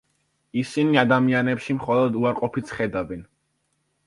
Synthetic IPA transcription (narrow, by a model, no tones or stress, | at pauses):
isiniad̪amianɛpʃimχɔlˠɔd̪uaɾqʼɔpʰit̪sʰχɛd̪avɛn